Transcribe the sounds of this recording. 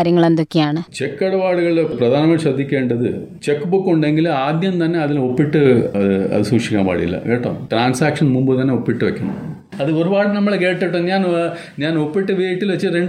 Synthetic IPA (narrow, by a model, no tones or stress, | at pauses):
ɾjɐŋːɐɭɐnd̪ukʲːijaːɳɨt͡ɕekːɐɽɐbaːɽɯɣɐɭilpɾɐd̪ʱaːnɐmaːsɐd̪ʱːikʲːeːɳɖɐðɨ̰ | t͡ɕekːbukːoɳɖeŋɡilaːd̪jɐnt̪ɐnːeɐðilopːiʈːɨɐðɨɐ̰ðɨsuːkʂikʲːa̰ːmpa̰ːɽḭḭlːɐ̰keːʈːõ̰ːʈɾaːnsaːkʂɐnmumbɯt̪ɐnːeopːiʈːɨʋɛkʲːɐɳɐ̰ | ɐðɨoɾubaːɽnɐmːɐɭkeːʈːeʈːõːɲaːn | ɲaːnopːiʈːɨʋeːjiʈːilʋɐt͡ɕːɨɾeɳɖ